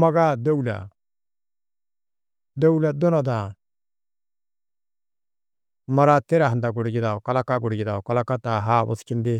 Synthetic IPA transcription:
ma˦ɡa˦d̪o˦ula̰˨ | d̪ə˦u˦la˨d̪ʊ˦na˨d̪a˨ | mɐ˦ɾa˦t̪e˦ɾa˨ɦnd̪a˨ɡʊ˨ɽi˨ɡɪ˨d̪a˨o˨ka˦la˦ka˦ɡʊ˨ɽɡɪ˨d̪a˨ka˦la˦ka˦t̪a˨ɦaː˦bʊ̰˨skɪ˦nd̪e˦

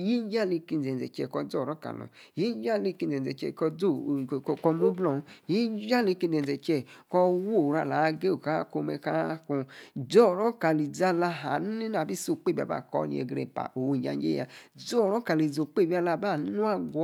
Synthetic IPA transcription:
ji˦d͡ʒa˦˨li˧ki˧n˨ɛ˨ɛ˨t͡ʃɛ˨kɔ˧d͡zɔ˦˨ɾɔ˦ka̰˨lɔ̰˨ji˦d͡ʒa˦˨li˧ki˧n˨ɛ˨ɛ˨t͡ʃɛ̰˧˨kɔ˧d͡zo˦˨˧kɔ˧mo˦blɔ˧˨˦ji˦d͡ʒa˦˨li˧ki˧˨ɛ˨ɛ˨t͡ʃɛ˧˨kɔ˧wo˦˨ɾa˧˨la˨˧ɡe˦o˨ka˨˦ko˧mɛ˧ka˦ku˧d͡zɔ˦˨ɾɔ˦ka˨li˨d͡za˧la˧ɦa˨n˦i˦n˦a˨bi˦so˨k͡pe˦ba̰˨ba̰˦˨kɔ̰˧˨nḭ˧ḛ˨ɡɾḛ˧pa̰˨ʔo˨wo˧˨d͡ʒa̰˧˨d͡ʒḛ˦ja̰˧˨d͡zɔ˦˨ɾɔ˦ka˨li˨zo˨k͡pe˦˨bi˦a˧la˧˨ba˦˨˦nu˦a˦ɡʷɔ˦

